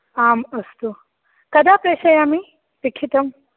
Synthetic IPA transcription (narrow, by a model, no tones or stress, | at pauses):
aːməst̪u | kɐd̪apeʃɐjami | pikʰit̪əm